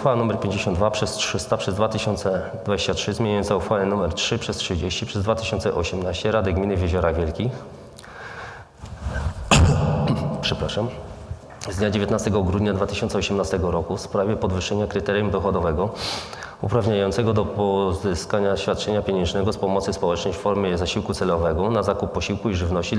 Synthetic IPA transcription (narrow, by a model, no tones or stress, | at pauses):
xfawanumɛɾpʲjeɲd͡ʑeɕɔnd̪d̪vapʂɛstʂɘst̪apʂɛzd̪vat̪ɘɕɔnt̪sɛ | d̪̥vad͡ʑeɕt͡ɕatʂɘzmʲeɲajɔnsauxfawɛnumɛɾtʂɘpʂɛstʂɘd͡ʑeɕt͡ɕipʂɛzd̪vat̪ɘɕɔnt̪sɛʔɔ̰ɕɛmnaɕt͡ɕɛɾad̪ɘɡmʲinɘvʲjeʑɔɾavʲjɛlkʲi | pʂɛpɾaʂam | zd̪ɲad͡ʑevʲjet̪nast̪ɛɡɔɡɾud̪ɲad̪vat̪ɘ̥ɕɔnt̪sɛɔɕɛmnast̪ɛɡɔɾɔkufspɾavʲjɛpɔd̪vɘʂːɛɲakɾɘt̪ɛɾjumd̪ɔxɔd̪ɔvɛɡɔ | ṵpɾavɲajɔnt̪sɛɡɔd̪ɔpɔzɘskaɲaɕfʲjat̪̚t͡ʂɛɲapʲjeɲɛnʐnɛɡɔspɔmɔt̪sɘspɔwɛt͡ʂnɔjffɔɾmʲjɛzaɕiwkut̪sɛlɔvɛɡɔnazakupːɔɕiwkuiʐɘvnɔɕt͡ɕi